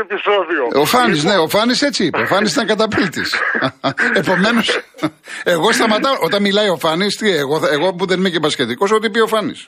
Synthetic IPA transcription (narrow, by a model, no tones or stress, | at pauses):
episoðioofɐnisne̞o̞fɐnise̞t͡siipɐofɐnis̬it̪ɐŋkɐt̪ɐpilt̪ḭs | e̞po̞me̞no̞s | e̞ɣo̞st̪ɐmɐt̪ɐʔo̞t̪ɐmmilɐio̞fɐnist̪ieɣoeɣopuðenimecepɐscet̪iko̞sot̪̬ipio̞fɐnḭs